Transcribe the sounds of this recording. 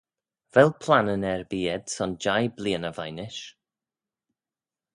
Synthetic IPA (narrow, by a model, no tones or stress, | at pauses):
vɛlˠpʰl̥ˠanənɛɹbiːɛd̥sɔnd͡ʒajbliːənəvajnɪʃ